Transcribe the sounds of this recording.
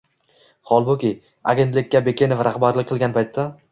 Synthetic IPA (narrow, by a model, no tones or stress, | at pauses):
χɒlˠbokʲɪ | a̰ɡʲe̞nt̪lɪkʲːabe̞kʲe̞nofɾʔaχbaɾlɪk̚ʲqʰɨlˠɡʲanpʰajt̪ʰːa